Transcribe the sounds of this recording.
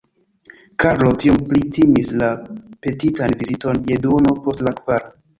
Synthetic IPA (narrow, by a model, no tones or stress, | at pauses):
kaɾlo̞tiomplitimislape̞titanvizito̞njedono̞po̞stlakv̥aɾo